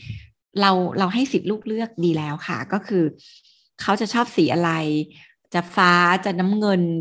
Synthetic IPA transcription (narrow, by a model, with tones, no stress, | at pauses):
ɾa˧wɾa˧wɦa˥˩jsi˨˩t̪̚luː˥˩k̚lɯ˥˩ək̚diː˧lɛː˦˥wxʰa˥˩kɔː˥˩kʰɯː˧ | kʰa˦˥wt͡ɕa˨˩t͡ɕʰɔː˥˩p̚siː˩˦ʔa˧ɾa˧j | t͡ɕa˨˩faː˦˥t͡ɕa˨˩na˦˥mŋɤ˧n